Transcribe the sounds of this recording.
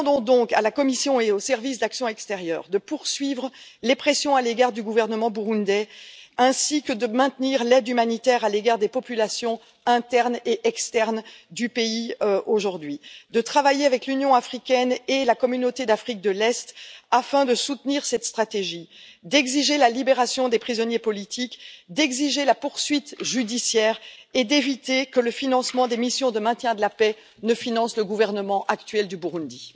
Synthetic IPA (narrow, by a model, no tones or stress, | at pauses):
d̪ɔ̃d̪ɔ̃ka̰lakɔmisjɔ̃eosɛʁvisd̪aksjɔ̃ɛkst̪ɛʁjœːʁd̪əpuʁsɥivʁlepχɛsjɔ̃aleɡaʁd̪yɡuvɛʁnəmɑ̃buʁũnd̪ɛɛ̃sikəd̪əmɛ̃t̪niʁlɛd̪ymanit̪ɛʁaleɡaʁd̪epɔpylasjɔ̃ | ɛ̃t̪ɛʁneʔɛkst̪ɛʁnd̪ypeioʒuʁd̪ɥid̪ət̪χavajeavɛklynjɔ̃afχikʲɛnelakɔmynot̪ed̪afχik̚d̪əlɛst̪afɛ̃d̪əsut̪niʁsɛt̪st̪χat̪eʒid̪ɛɡziʒelalibeʁasjɔ̃d̪epχizɔnjepɔlit̪ikd̪ɛɡziʒelapuʁsɥit̪ʒyd̪isjɛːʁed̪evit̪ekələfinɑ̃smɑ̃d̪emisjɔ̃d̪əmɛ̃t̪jɛ̃d̪əlapɛ | nəfinɑ̃sləɡuvɛʁnəmɑ̃ʔakt̪ɥɛld̪ybuʁũnd̪i